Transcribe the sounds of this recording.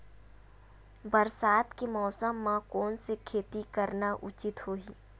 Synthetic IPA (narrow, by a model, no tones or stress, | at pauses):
bəɾsaːt̪kemɔːsəmːãkɔːnsekʰeːt̪ikəɾnaʔʊt͡ʃɪt̪hoːɦiː